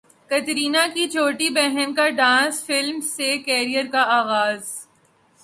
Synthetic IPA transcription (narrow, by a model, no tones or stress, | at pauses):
kɐt̪ɾiːnakit͡ʃoːʈibɛɦɛnkaɖãːsfɪlmsekɛːɾijəɾkaaːɣaːz